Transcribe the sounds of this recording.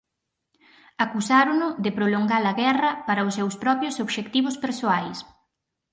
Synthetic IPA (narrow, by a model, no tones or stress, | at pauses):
akusaɾonʊd̪ɪpɾoloŋɡalɐɣɛrɐpaɾɐʊsːewspɾɔpjʊsoβʃekt̪iβʊspeɾsoajs